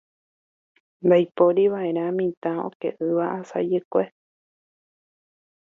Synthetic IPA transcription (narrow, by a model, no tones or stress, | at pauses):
nd̪ajpoɾiʋaʔe̞ɾ̃ãmĩt̪ão̰kḛʔɨʋaʔasa̰d͡ʒekʷe